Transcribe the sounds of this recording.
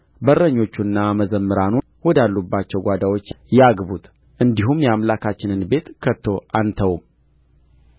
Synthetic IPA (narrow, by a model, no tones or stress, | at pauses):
bərəɲːo̞t͡ʃːunːaməzəmːɨɾanu | wɔd̪alːubːat͡ʃːɛwɡʷad̪awo̞t͡ʃː | jaɡbut̪ | ʔɨnd̪iɦumjɛamlakʰat͡ʃːɪnɨnbe̞t̪kʰət̪ʰːo̞ʔant̪ʰəwm